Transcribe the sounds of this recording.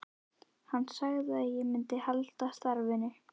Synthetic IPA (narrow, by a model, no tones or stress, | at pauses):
hanːsaɣðɪaðjɛmɪnt̪ɪhalt̪ast̪aɾvɪnɪ